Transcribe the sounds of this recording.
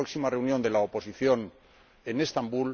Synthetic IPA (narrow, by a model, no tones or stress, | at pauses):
oksimare̞unjo̞nd̪e̞laopo̞siθjo̞n | e̞ne̞st̪ambul